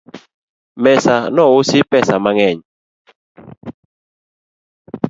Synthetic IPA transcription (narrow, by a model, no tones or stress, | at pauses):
mɛsanɔwusipɛsamaŋɛɲ